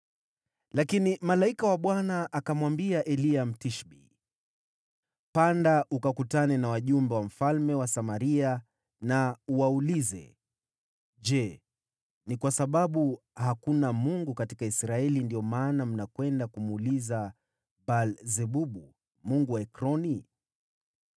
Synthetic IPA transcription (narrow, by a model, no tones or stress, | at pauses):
lakinimalaikawaɓwanaʔakamwambiaʔɛliam̩tiʃɓḭ | pandaʔukakutanɛnawaʄumbɛwam̩falmɛwasamaɾia | nauwaulizɛ̰ | ʄɛ | nikwasaɓaɓu | hakunamuŋɡukatikaisɾaɛlindiɔmaːnam̩nakwɛndakumuliza | balzɛɓuɓu | muŋɡuwaɛkɾɔni